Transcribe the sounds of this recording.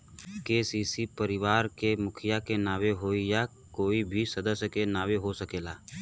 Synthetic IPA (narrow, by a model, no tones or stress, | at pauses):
keːsiːsipəɾɪʋaːɾkemʊkʰɪjakenaːweɦoːija | koːibʱisɐd̪əsjəkenaːweɦosəkeːlaː